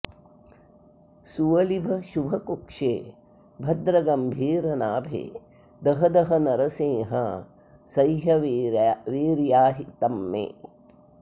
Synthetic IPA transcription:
suʋɐlibʱɐʃubʱɐkukʂḛː | bʱɐd̪ɾɐɡɐmbʱiːɾɐnaːbʱḛː | d̪ɐɦɐd̪ɐɦɐnɐɾɐseːɦɐ | sɐjɦɐ | ʋiːɾjaːɦit̪ɐmːḛː

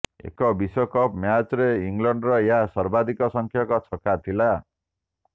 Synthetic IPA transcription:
ḛkʌbisʌkʌpmjat͡sɾeiŋɡlʌɳɖrʌjasʌrbad̪ikʌsʌŋkʰjakɔt͡sʰʌkat̪ʰila

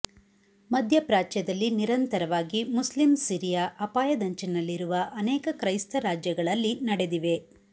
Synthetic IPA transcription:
mɐd̪ʱjɐpɾaːt͡ʃjɐd̪ɐlːiniɾɐnt̪ɐɾɐʋaːɡimuslimsiːɾijaʔɐpaːjɐd̪ɐɲt͡ʃinɐlːiɾuʋɐʔɐnɛːkɐkɾɐjst̪ɐɾaːd͡ʒjɐɡɐɭɐlːinɐɽe̞d̪iʋe̞

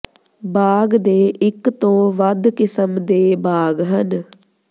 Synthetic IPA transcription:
baːɡd̪eːʔɪkt̪õːʋəd̪kɪsəmd̪eːbaːɡɦən

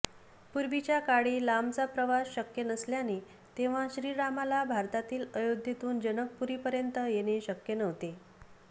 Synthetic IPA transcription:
puɾbit͡ɕjakaɽiːlamt͡sapɾəʋasɕəkjənəsljane | t̪eʋ̤ãɕɾiːɾamalabʱaɾt̪at̪iːləjod̪ʱjit̪uːnd͡ʑənək̚puɾiːpəɾjənt̪əjeñeɕəkjənəʋt̪e

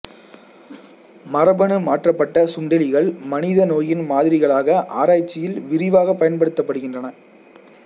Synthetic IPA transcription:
mɐɾɐbɐɳɯmaːʈrɐpːɐʈːɐsʊɳɖɐlɪɣɐɭmɐnɪðɐnoːjɪnmaːðɪɾɪɣɐɭaːɣɐʔaːɾaːt͡ʃːɪjɪlʋɪɾɪʋaːɣɐpːɐjɐnpɐɽɯt̪ːɐpːɐɽɯɣɪndrɐnɐ

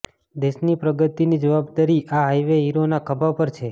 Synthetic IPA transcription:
d̪eʃnipɾəɡət̪inid͡ʒəʋabd̪aɾiʔaɦajʋeɦiɾonakʰəbapəɾt͡ʃʰe

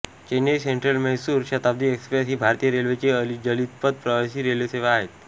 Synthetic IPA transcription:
t͡ɕeneseɳʈɾəlmɛɦsuːɾɕət̪ab̚d̪iːekspɾesɦiːbʱaɾt̪ijəɾelʋet͡ɕeəlid͡ʑəlid̪̚pəd̪̚pɾəʋasiːɾelʋeseʋaːɦet̪

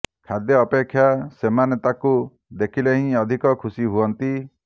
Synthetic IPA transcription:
kʰad̪jɔːpekʰːjasemanet̪aku | d̪ekʰileɦĩɔd̪ʱikɔkʰusiɦuɔnt̪i

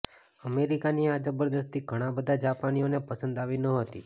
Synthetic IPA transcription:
əmeɾikaniad͡ʒəbəɾd̪əst̪iɡʱəɽ̃abəd̪ʱad͡ʒapanijonepəsənd̪aʋinəɦət̪ḭ

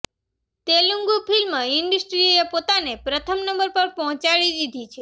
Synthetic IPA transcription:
t̪eluŋɡupʰilməɪɳɖusʈɾioepot̪anepɾət̪ʰəmnəmbəɾpəɾpɔɦɔ̃t͡ʃaɭid̪id̪ʱit͡ʃʰe

